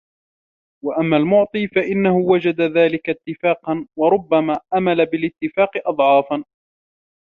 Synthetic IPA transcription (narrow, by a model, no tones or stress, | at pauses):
waʔamːaːlmʊʕt̪ˤiːfaʔɪnːahʊwad͡ʒad̪aðaːlɪkat̪ːɪfaːqɑnwɑɾˤʊbːamaːʔamalabɪlɪt̪ːɪfaːqɨʔɑd̪ˤʕɑːfan